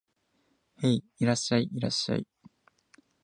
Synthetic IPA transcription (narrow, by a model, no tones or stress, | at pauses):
hei | iɾaɕaiiɾa̰ɕa̰ḭ